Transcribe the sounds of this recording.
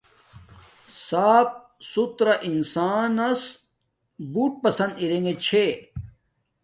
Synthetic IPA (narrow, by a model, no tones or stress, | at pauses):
saːp̚ | sut̪ɾɐʔinsaːnɐs | buːʈ̚pɐsɐnd̪iɾeŋɡet͡ɕʰe